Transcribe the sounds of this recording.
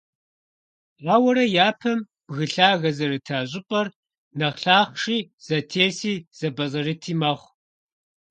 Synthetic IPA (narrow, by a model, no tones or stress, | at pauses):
aːwɐɾɐjaːpʰɐm | b̥ɣɨɬaːɣɐzɐɾɨtʰaːʑʼɪpʼɐr | nɐχɬaːχʂiːz̥ɐtʰeːsiːz̥ɐbɐzɐrɨtʰiːmɐχʷ